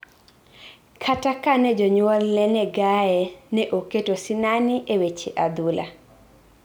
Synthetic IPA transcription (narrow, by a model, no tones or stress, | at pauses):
kʰatakanɛd͡ʒɔɲwɔlnɛnɛɡajɛnɛʔoketosinaniʔewet͡ʃeʔad̪ula̰